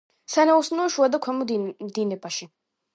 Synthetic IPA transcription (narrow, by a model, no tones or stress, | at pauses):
sanausnɔɔʃuad̪akʰɛmɔd̪inɛbaʃi